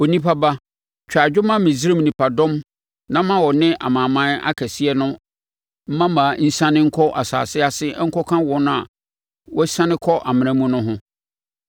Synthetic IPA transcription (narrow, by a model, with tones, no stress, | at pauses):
o˨nĩ˦pʰa˦ba˦ | t͡ɕᶣa˨d͡ʑᶣʊ˦mã˦mɪ̃˨zi˦ɾe˦m˨nĩ˨pʰa˨dɔ̃˦m | nã˦m˦mã˦wɔ˨nɪ̃˦ʔa̰˨mãː˨mã˦na̰˦kʰæ˨si˦ɛ˦nʊ̃˦ | m̩˦mã˦mã˨n̩˦sã˦nɪ̃˦ŋ̩˦kʰɔ˦ʔa̰˨sa̰ː˨sɪ˦a˦sɪ˦ŋ̩˦kʰɔ˦kʰã˦wɔ˦nʊ̃˦a̰˨ | wɔ˦sã˦nɪ̃˦kʰɔ˦ʔa˨mɪ̃˨ñã˦mũ˦nʊ̃˦ɦʊ̃˦